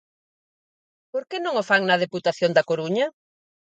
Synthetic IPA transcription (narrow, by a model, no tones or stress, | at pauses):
poɾkenõŋofaŋnɐðeput̪aθjond̪ɐkoɾuɲɐ